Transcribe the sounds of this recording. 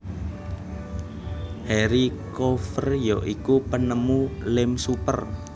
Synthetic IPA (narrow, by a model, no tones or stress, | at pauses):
hɛɾikɔfərjoʔikupənəmulɪmsupə̰r